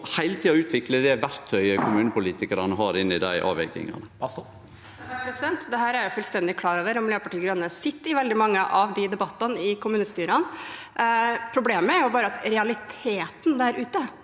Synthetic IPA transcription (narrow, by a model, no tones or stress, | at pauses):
hæɪlət̪ʰiːɔʉːt̪ʰʋɪkləd̪ɛʋæɾt̪ʰœʏəkʰʊmʉːnəpʊliːt̪ɪkəɾɑnəɦɑɾɪnɪd̪æ̰ɪʔɑ̰ːʋɛɡɪ̰ŋɑ̰nə | pʰɾɛsɪd̪ɛnt̪d̪ɛɦæːɾæɾjʊfʉlst̪ɛnd̪ɪkʰlɑːɾoːʋəɾɔmløːəpɑʈiːɡɾœnːənəsɪt̪ːɪʋɛld̪ɪmɑŋːəʔɑʋd̪ɪd̪ɛbɑt̪ːənəɪkʊmʉːnəst̪yːɾən | pʰɾʊbleːməæɾjʊbɑːɾəɑt̪ɾɛɑlɪt̪ʰeːt̪nd̪æɾʉːt̪ə